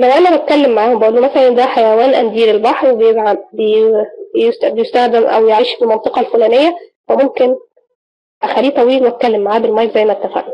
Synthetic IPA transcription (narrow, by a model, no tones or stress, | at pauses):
menʔænæbæt̪̚kælːemːaʕaːhombæʔuːlːumæsælænd̪æħajæwæːnʔæ̰nd̪iːɾelbɑħɾwebejeɡʕabejst̪bejest̪æxd̪æmʔæ̰wjeʕiːʃfelmɑnt̪ˤɨqɑlfulæːnejːæfæmomken | ʔæxælːiːt̪ˤɑwiːlwæt̪kælːemːaʕaːbelmɑjzæjːmæt̪ːæfæ̰ʔnu